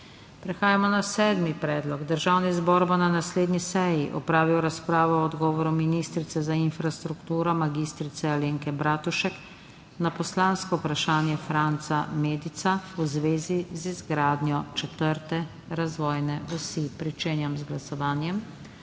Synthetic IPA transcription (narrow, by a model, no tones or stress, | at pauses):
pɾɛxaːjamɔnasɛːd̪mipɾɛːd̪lɔɡd̪əɾʒawnizbɔːɾbɔnanasleːd̪nisɛjiʔɔ̰pɾaːʋiwɾaspɾaːʋɔːd̪ɡɔːʋɔɾuminiːst̪ɾit̪sɛzainfɾast̪ɾukt̪uːɾɔmaɡist̪ɾit̪sɛaleːŋkɛbɾaːt̪uʃɛk | napɔslãːnskɔupɾaʃaːnjɛfɾant̪sameːd̪it̪sauzʋeːzizizɡɾaːd̪njɔt͡ʃɛt̪əɾt̪ɛ | ɾazʋɔːjnɛɔsipɾit͡ʃeːnjamzɡlasɔʋaːnjɛm